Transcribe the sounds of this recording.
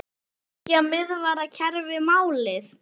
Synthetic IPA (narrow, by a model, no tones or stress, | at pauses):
jɛɣmɪðvaːɾacʰɛɾvɪmaːwlɪθ